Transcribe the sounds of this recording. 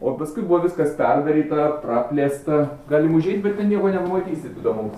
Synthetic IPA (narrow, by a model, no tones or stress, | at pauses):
oːpɐskʊɪbʊʋɔʋʲɪskɐspʲɛrʲʋʲɛɾʲiːt̪ɐprɑːpʲlʲeːst̪ɐɡɑːlʲɪmʊʒʲɛɪt̪ʲbʲɛt̪tʲɛnnʲiɛkoːnʲɛpɐmɐt̪ʲiːsʲɪt̪id̪oːmom